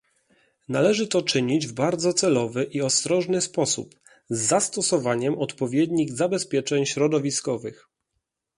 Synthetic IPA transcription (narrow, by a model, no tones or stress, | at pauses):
nalɛʐɘt̪ɔt͡ʂɘɲid͡ʑvbaɾd̪zɔt̪sɛlɔvɘʔiɔst̪ɾɔʐnɘspɔsṵp | zːast̪ɔsɔvaɲɛmɔt̪pɔvʲjɛd̪ɲiɣzabɛspʲjɛt͡ʂɛɲɕɾɔd̪ɔvʲiskɔvɘx